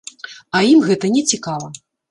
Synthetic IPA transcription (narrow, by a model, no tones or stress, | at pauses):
ɐjimɣɛt̪ɐnʲɛt͡sʲikalˠɐ